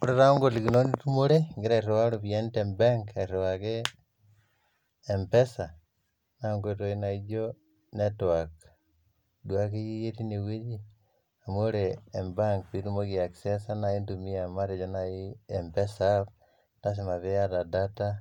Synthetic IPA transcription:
koɾeɾaŋɡolikinonitumoɾeŋɡeɾaiɾewaɾoβientembaŋkeɾewake | mpesa | naŋɡetoinaid͡ʒo | netoak | dwak̬ejijetineweɾi | amoɾeːmbaŋkpiɾumokiaksesanaindumiamaɾed͡ʒonajiempesap̚ | tas̬emaβejatadata

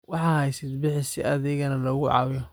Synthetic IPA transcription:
wɑħɑːhɛjsɪd̪bɪħɪsɪʔɐðɪɣɐnɐlɔɣʊʕɑ̰wjɔ

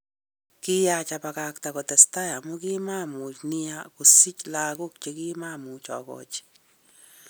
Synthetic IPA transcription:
kijat͡ʃapakak̚t̪akɔt̪ɛst̪ajamukimamut͡ʃniakusit͡ʃlaɡʊk̚t͡ʃekimamut͡ʃɔkɔ̰t͡ʃ

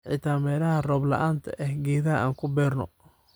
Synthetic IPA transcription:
ʕɪ̰t̪ʰaːmɛːlɐɦɐrɔːblɐ̰ʔaːnt̪ʰɐ̰ʔɛhɡɛːðɐɐaːŋkʰʊbɛːrnɔ̰

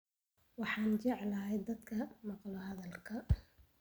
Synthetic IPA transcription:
wɑħɑːnt͡ʃɛʕlɐɦɛjd̪ɐd̪kʰɐmɑqlɔɦɐðɐlkʰɐ

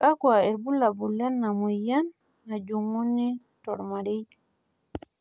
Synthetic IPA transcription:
kakuaɛɾbulabulːanːamujanː | ad͡ʒuŋːunːi | tɔɾmaɾij

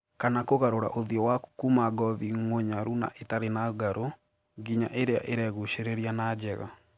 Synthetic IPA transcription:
kanakoɣaɾoɾa̰ʔoðiɔwaku̥kumaɡɔðiŋoɲaɾuna̰ʔetaɾenaɡaɾo | ɡiɲa̰ʔeɾea̰ʔeɾɛɣuʃeɾeɾianaːd͡ʑɛɣa̰

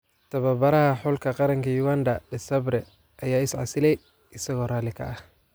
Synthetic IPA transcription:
t̪ʰɐβɐbɐɾɐhɐħʊlkʰɐqɑɾɐŋkʰɐjuɣand̪ɐd̪ɪsɐbɾɛ | ʔɐjaːɪsʕɑ̰sɪlɛj | ʔɪsɐɣɔːraːlɪkʰɐ̰ʔɐh

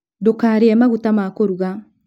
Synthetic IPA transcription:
dokaːɾeɛmaɣutamakoɾuɣa

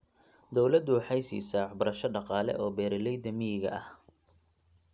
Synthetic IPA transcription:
d̪ɔwlɐd̪ʊħɑjsḭːsɐħbʊɾɐʃɐɖɑqɑːlɛ̰ʔɔːbɛːɾɪlɛjd̪ɐmiɣɐ̰ɐh

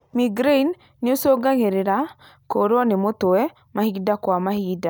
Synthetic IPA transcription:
miɡɾeinː | ɪosoɡaŋeɾeɾa | koɾɔnemot̪oɛ | mahiɡdakwamahiɡda

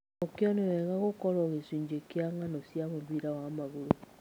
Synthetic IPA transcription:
okjɔneɾɛɣaɣokɔɾɔɣesuɲd͡ʒekjaŋanɔsjamoβiɾawamaɣoɾo

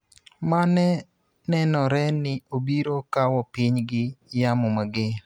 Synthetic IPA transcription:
manɛ | nɛnɔɾɛnɪobiɾokawɔpiɲɡɪjamomaɡɪ

